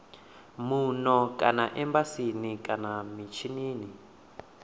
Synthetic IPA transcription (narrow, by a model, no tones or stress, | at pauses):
munɔkʼanaʔɛmbasinikʼanamit͡ʃʰiniːni